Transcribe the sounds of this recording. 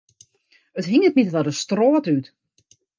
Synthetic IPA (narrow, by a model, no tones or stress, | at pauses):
ətɦiŋət̚mitətadəstroːtyt